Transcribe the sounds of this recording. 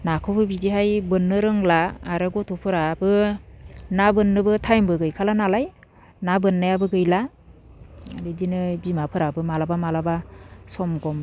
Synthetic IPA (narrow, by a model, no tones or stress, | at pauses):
nakʰɔpʰɯbidiɦajbɯnːɯɾɯŋlaːɾɯɡɔtʰupʰɯɾabɯ | nabɯnːɯbɯtʰajmbɯɡɯjkʰalanalaj | nabɯnːajabɯɡɯjla | ɾɯdinɯbimapʰɯɾabɯmalabamalabasɔmɡɔm